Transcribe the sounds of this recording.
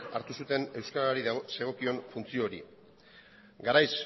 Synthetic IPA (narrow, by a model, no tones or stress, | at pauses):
aɾt̪usut̪e̞ne̞wskaɾaɾiðse̞ɣ̞o̞kio̞nfunt͡sio̞ɾḭ | ɡaɾajs